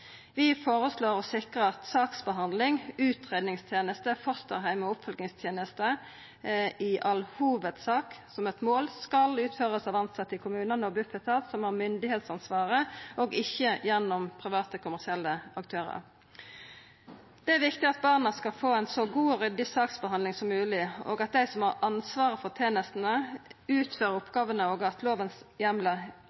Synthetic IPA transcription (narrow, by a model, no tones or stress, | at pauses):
ʋɪfoːʁəsloːʁɔsɪkʁəɑt̪sɑːksbəɦɑnd̪lɪŋʉːt̪ʰʁeːd̪nɪŋst̪ʰjeːnəst̪əfɔʁst̪ə̰ʁɦæɪmɔʊpfɔlɡnɪŋst̪ʰjeːnəst̪ə | ɪʔɑlhuːʋəd̪sɑːksɔmɛt̪moːlskɑlʉːt̪føːʁəsɑːʋɑnsɑt̪ːɪkʰʊmʉːnənəɔbʉfət̪ʰɑt̪sɔmhɑːʁmʏnd̪ɪheːt̪sɑnsʋɑːʁəɔɡɪçːəjɛnːɔmpʰʁɪʋɑːt̪əkʰʊmæʁsɪɛlːəɑkt̪ʰøːʁə̰ʁ | d̪̥ɛæʁʋɪkt̪ɪɑt̪̚bɑʁnəskɑlfoːæɪnsɔɡuːɔʁʏd̪ɪsɑːksbəhɑnlɪŋsɔmːʉːlɪo̰ːɡɑt̪̚d̪æɪsɔmhɑʁɑnsʋɑːʁəfɔʁt̪ʰeːnəst̪n̩əʉːt̪føːɾəʊpɡɑːʋənəoːɡɑt̪ʰloːʋənsjɛmlə